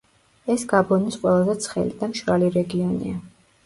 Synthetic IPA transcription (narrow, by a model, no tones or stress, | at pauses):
ɛsɡ̥abɔnisqʼwɛlˠazɛt̪sʰχɛ̰lid̪amʃɾaliɾɛɡiɔnḭa